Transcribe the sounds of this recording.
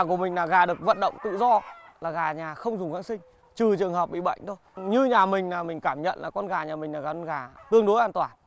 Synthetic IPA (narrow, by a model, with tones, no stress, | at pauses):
a˨˩ku˧˩əmï˨˩ŋ̟naː˨˩ɣaː˨˩ɗɨ˨˩ək̚və̰˧˨nɗə̰˧˨wŋ͡mt̪ɨ̰˧˨zɔ˧laː˨˩ɣaː˨˩ɲaː˨˩xə˧wŋ͡mzʊ˨˩ŋ͡mxaː˨˦˥ŋsï˧ŋ̟ | t͡ɕɨ˨˩t͡ɕɨ˨˩əŋɦə˨˩p̚ɓḭ˧˨ɓə̰˧˨jŋ̟t̪ʰo˧˦jɲɨ˧ɲaː˨˩mï˨˩ŋ̟naː˨˩mï˨˩ŋ̟kaː˧˩mɲə̰˧˨nʔla̰ː˨˩kɔ˧nɣaː˨˩ɲaː˨˩mï˨˩ŋ̟naː˨˩aː˨˩˧nɣaː˨˩t̪ɨ˧əŋɗo˨˦jʔaː˧nt̪waː˧˩n